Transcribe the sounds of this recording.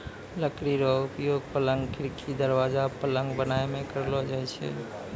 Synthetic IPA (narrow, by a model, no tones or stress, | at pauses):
ləkɾiɾɔʊpjoːɡ̚pələ̃ŋɡkʰɪɾkʰid̪əɾʋaːzapələ̃ŋɡbənaːemẽkəɾlod͡ʒaɛt͡ʃʰɛ̰